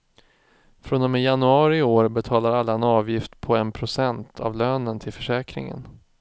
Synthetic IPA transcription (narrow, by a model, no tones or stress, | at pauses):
fɾonɔmɛjanɵɑːɾɪoːɾbɛt̪ʰɑːlaɾalːaɛnɑːvjɪft̪pʰɔɛnpʰɾʊsɛnt̪ʰa̰vløːnənt̪ʰɪlfœʂɛːkɾɪ̰ŋə̰n